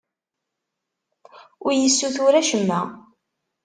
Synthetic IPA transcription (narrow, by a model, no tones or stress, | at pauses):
ʊɾjəsːuθʊɾæʃəmːæ